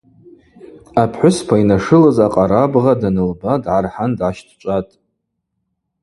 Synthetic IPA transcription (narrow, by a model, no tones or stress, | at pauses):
apʰħʷʊspʰainaʂɨlazaqʼaɾabʁadanɨlbadʕarħandʕaʃtʰt͡ʃʷʼatʼ